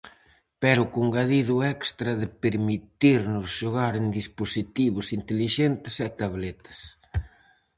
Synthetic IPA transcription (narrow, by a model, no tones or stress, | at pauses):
pɛɾʊkoŋɡaðiðʊɛkst̪ɾɐðɪpeɾmit̪iɾnʊsʃoɣaɾend̪isposit̪iβʊsint̪eliʃɛnt̪ɪsɛt̪aβlɛt̪ɐ̥s